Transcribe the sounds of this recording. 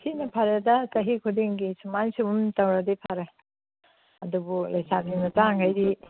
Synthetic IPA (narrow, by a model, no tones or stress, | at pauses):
hinɐpʰaɾedɐsɐɦikʰudiŋɡisumansiumtɐwɾadipʰaɾe | ɐdubulɐjsaɡinɐtaŋɡajdi